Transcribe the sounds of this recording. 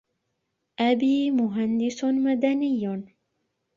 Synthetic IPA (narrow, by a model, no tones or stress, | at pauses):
ʔabiːmʊɦand̪ɪsmad̪anɪjː